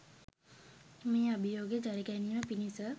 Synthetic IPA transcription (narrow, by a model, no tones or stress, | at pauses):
miːabijoːɡəd͡ʒaɾiɡæniːməpinisə